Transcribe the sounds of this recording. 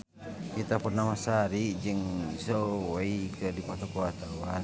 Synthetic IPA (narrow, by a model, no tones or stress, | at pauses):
kit̪apərnamasaɾiʔd͡ʒəŋsoweikədipat̪okoat̪awa